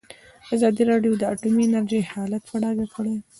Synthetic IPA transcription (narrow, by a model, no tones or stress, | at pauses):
azɑd̪iɾɑɖjod̪əaʈuminaɾʒejhɑlat̪̚paɽɑɡakəɽaj